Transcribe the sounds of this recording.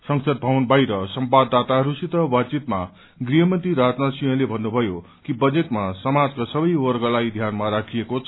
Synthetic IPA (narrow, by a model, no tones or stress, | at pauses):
sʌŋsʌd̪̚bʱawnbajɾʌsʌmbad̪ːat̪aɦʌɾusit̪ʌbat͡sit̪ma | ɡriɦʌmʌnt̪iɾad͡znasijʌ̃lebʱʌnːubʱʌjo | kibʌd͡zeʈmasʌmad͡zkasʌbʌjwʌrɡʌlajd̪ʱjanmaɾakʰiekot͡sʰ